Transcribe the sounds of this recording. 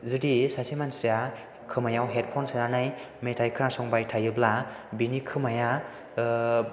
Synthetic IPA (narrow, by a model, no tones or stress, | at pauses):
zudisasimansija | kʰɯmajawɦet̚pʰɔnsananaj | metʰajkʰɯɾnasɔŋbajtʰajɯblabinikʰɯmaja